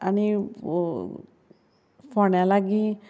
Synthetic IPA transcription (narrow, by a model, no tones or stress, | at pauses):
ani | pʰɔɳjalaɡi